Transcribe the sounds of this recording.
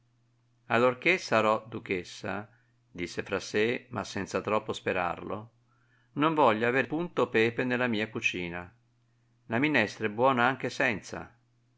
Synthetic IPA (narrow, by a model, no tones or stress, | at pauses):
alːorkesaɾɔd̪uk̟esːa̰ | d̪isːefɾasːema̰sːɛnt̪sat̪ɾɔpːospeɾa̰rlo̰ | noɱvɔʎːaːveːɾpunt̪opɛːpenelːamiːakut͡ʃiːna | laminɛst̪ɾɛbwɔːnaaŋk̟esɛnt̪sa̰